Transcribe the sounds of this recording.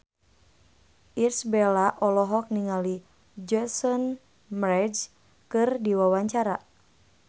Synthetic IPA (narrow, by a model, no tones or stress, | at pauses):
ʔirsbɛlaʔɔlɔɦɔk̚niŋali | d͡ʒɛsɔn | mɾɛd͡ʒ | kɨrdiwawaɲt͡ʃaɾa